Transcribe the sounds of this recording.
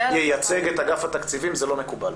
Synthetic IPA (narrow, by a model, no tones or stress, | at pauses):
jejat͡se̞ɡet̪aɡafat̪akt͡sivimzelo̞me̞kubal